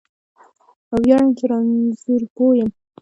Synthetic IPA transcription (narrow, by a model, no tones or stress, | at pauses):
awjɑɳkeɾɑnzuɾpojəm